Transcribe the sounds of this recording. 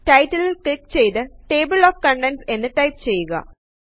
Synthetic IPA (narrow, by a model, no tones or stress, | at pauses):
ʈɐjtːɐlilkɭikt͡ɕe̞jt̪ɨʈeːbɨɭoːfkɐɳɖense̞nːɨʈɐjp̚t͡ɕe̞jːuɣɐ̰